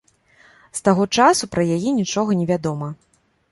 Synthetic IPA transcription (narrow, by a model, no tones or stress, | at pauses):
st̪aɣɔt͡ʂasupɾɐjajɛnʲit͡ʂɔɣɐnʲɛvʲad̪ɔmɐ